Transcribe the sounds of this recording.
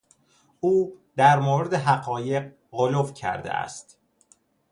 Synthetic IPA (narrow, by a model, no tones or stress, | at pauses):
uːd̪æɾmoːɾed̪e̞ɦæɢɒːje̞q | ɢolofcʰæ̰ɾd̪ḛʔæ̰st̪